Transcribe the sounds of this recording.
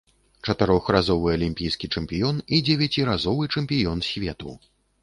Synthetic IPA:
t͡ʂɐt̪ɨɾɔxrazɔvɨɐlʲimʲpʲijskʲit͡ʂɛmpʲijɔnid͡zʲɛvʲat͡sʲiɾazɔvɨt͡ʂɛmpʲijɔnsʲvʲɛt̪ṵ

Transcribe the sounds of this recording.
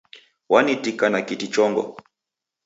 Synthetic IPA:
wanitikanakitit͡ʃɔŋɡɔ̰

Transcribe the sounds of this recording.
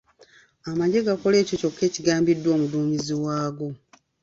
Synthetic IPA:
amaɟe̞ɡako̞le̞ːco̞co̞kːe̞ːciɡaːmbidːwo̞ːmuduːɲiziwaːɡo̞

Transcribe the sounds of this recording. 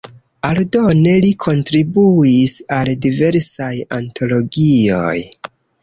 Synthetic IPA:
aldo̞ne̞likʰo̞ntɾibuisaldive̞ɾsajantʰo̞lo̞ɡio̞̰j

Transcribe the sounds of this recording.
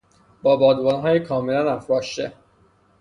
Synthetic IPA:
b̥ɒːbɒːd̪vɒːnɦɒːjekʰɒːmelænæfɾɒːʃt̪e

